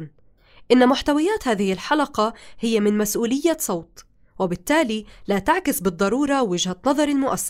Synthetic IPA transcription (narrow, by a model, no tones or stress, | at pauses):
ʔɪnːamʊħt̪awajaːt̪haːðɪhɪlħalɑqɑhɪjːamɪnmasʔuːlɪjːasˤɑwt̪ | wɪbɪt̪ːaːlilaːt̪aʕkɪsbɨd̪ˤːɑɾuːɾˤɑwɪd͡ʒhanɑðˤɑɾˤɪlmʊʔa̰sːaˤ